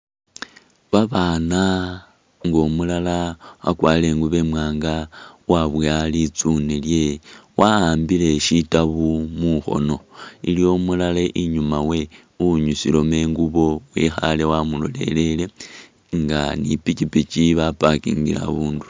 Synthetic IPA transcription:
βaβaːna | ŋɡo̞mulalaβa̰kwaːle̞ŋɡuβe̞mwaːŋɡawaβjalit͡sunelje̞wahaːmbile̞ʃitaβumuxo̞̰no̞iljo̞mulaleʔiɲumawe̞ | uɲusilo̞me̞ːŋɡuβo̞wexa̰le̞wamulo̞̰le̞̰le̞le̞ | ŋɡanipit͡ʃipit͡ʃiβapakḭŋɡila̰βuːndu̥

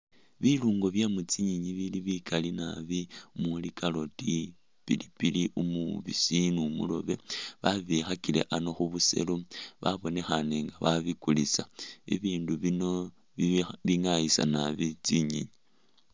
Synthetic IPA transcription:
βiluːŋɡo̞βjamut͡siɲiɲiβiliβikʰalina̰βiumulikalo̞ti | pḭlipiliʔumuβḭsinumṵlo̞̰βe̞βaβixakile̞̰ʔano̞xuβuse̞̰loβa̰βo̞ne̞xaneŋɡaβaβikulisaḭβiːnduβino̞ | βiŋajisa̰naβit͡siɲḭɲi

